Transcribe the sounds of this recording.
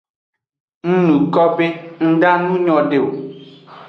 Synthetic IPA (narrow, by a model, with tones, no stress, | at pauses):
n̩˦nũ˨kɔ˦be˦ŋ̩˦ɖa˦nũ˦ɲɔ̃˦ɖe˦˨wo˨